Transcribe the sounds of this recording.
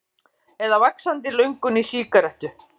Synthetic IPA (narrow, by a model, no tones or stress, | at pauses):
ɛðavaksant̪ɪlœɥŋkʏnisiːkaɾɛhc̪ʏ